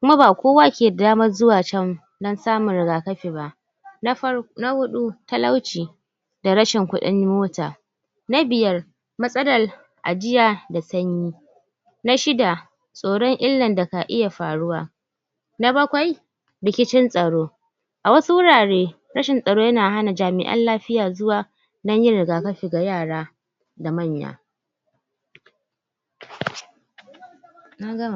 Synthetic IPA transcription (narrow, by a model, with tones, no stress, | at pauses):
kʷʊ˦ma˦baː˨kʷoː˦waː˦kʲeː˨a˨daː˦mɐ˦rzʊ˦waː˨t͡ʃɐ˦ŋ | dɐ˦nsaː˦mʊ˨ɾɪ˨ɡaː˨kɐ˦ɸeː˨ba˦˨ʔ | na˦hʊ˦ɗu˦tɐ˦la˦wt͡ʃiː˨ | da˨ɽɐ˦ʃɪ˨ŋkʷʊ˦ɗɪ̰˦ɲ˦moː˦taː˨ | na˦bɪ˨jɐ˦r | mɐ˦sʼɐ˦dɐ˨l | ʔa̰˨d͡ʒɪ˦jaː˨da˨sɐ˦ɲjiː˦ | na˦ʃɪ˦da˨ | sʼoː˨ɽɔ˦ŋʔɪ˦lːɐ˨nda˨ka˨ʔɪ˦ja˨ɸaː˨ɽʊ˦waː˨ | na˦bɐ˦kʷa˨j | ɽɪ˨kʲɪ˦t͡ʃɪ˦nsʼɐ˨ɽoː˦ | ʔa˨wɐ˦su˦wʊ˦ɽaː˨ɽeː˦ | ɽɐ˦ʃɪ˨nsʼɐ˨ɽoː˦jɐ˦naː˨ɦa˦na˨d͡ʒaː˨mɪ̰˨ʔɐ̰˦nlaː˦ɸɪ˦jaː˨zʊ˦waː˨ | nɐ˦ɲjɪ˦ɽɪ˨ɡaː˨kɐ˦ɸi˨ɡa˨jaː˦˨ɽaː˦ | da˨mɐ˦˨ɲja̰ː˨ | na˦ɡɐ˦˨